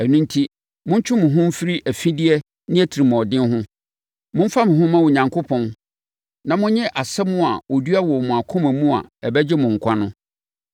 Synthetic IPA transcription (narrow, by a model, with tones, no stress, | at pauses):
æ˨nũ˦n˦tʰi˦ | mʊ̃˦ɲ˦t͡ɕʰᶣʊ̃˦mʊ̃˨ɦʊ̃˦m̩˦fi˦ɾi˦ʔæ˨fĩ˦di˦ɛ˦ | nɪ̃˦æ˦tʰi˨ɾi˨m̃˨ɔ˨dɪ̃˦n˦ɦʊ̃˦ | mʊ̃˦m̩˦fa˦mʊ̃˨ɦʊ̃˦mã˦wʊ˨ɲã˨ŋkʰo˦pʰɔ̃˦n | nã˨mʊ̃˦ɲɛ̃˦ʔa˨sɛ˦mʊ̃˦a˨o˨dɥa˦wɔ˨mʊ̃˨a˨kʰʊ̃˦mæ˨mũ˦a̰˨ɛ˨bɛ˦d͡ʑɪ˦mʊ̃˨ŋ̩˨kʷʰa˦nʊ̃˦